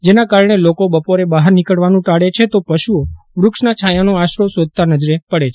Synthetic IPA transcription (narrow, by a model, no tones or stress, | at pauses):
d͡ʒenakaɾəɳ̃elokobəpoɾebaɦəɾnikəɽʋanũʈaɽet͡ʃʰet̪opəʃuo | ʋɾʊkʃnat͡ʃʰajanoaʃɾosod̪̚ʱt̪anəd͡ʒɾepəɽet͡ʃʰ